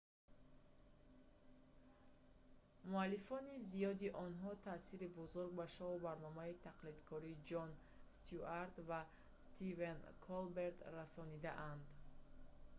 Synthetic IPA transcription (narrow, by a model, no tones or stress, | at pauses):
mualːifɔnizijɔd̪iʔɔnɦɔt̪ʰasiɾibuzuɾɡ̚baʃɔubaɾnɔmait̪ʰaqlid̪kʰɔɾiːd͡ʒɔn | st̪ʰuaɾt̪va | st̪ʰivenkʰɔlbe̞ɾd̪rasɔnid̪aʔand̪